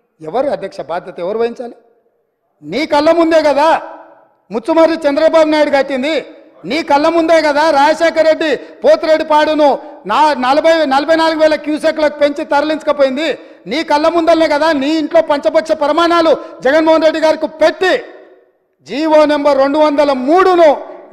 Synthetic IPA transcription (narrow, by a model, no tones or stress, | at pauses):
ɛʋɐɾuɐd̪ʱjɐkʂɐbaːd̪ʱjɐt̪ɐɛʋɐɾuʋɐjiɲt͡ʃaːli | niːkɐlːɐmund̪eːɡɐd̪aː | mut͡ʃːumɐɾit͡ʃɛnd̪ɾɐbaːbunaːjɽuɡɐʈːind̪i | niːkɐlːɐmund̪eːkɐd̪aːɾaːd͡ʒɐʃɛːkɐɾːe̞ɖːipo̞ːt̪ɾeɖːipaːɽɐnunanɐlɐbɐjnɐlɐbʱɐjnaːluɡuʋɛːlɐkjuːseklɐːku̥pe̞ɲt͡ʃit̪ɐɾɐlint͡ʃɐkɐpoːjind̪i | niːkɐlːɐmund̪ɐlːeːkɐd̪aːniːɳʈlo̞ːpɐɲt͡ʃɐbɐkʂɐpɐɾɐmaːnaːlud͡ʒɛɡɐnmɔːɦɐnɾe̞ɖːiɡaːɾikipeʈːi | d͡ʒiːʋoːnembɐɾːe̞ɳɖuʋɐnd̪ɐlɐmuːɽunu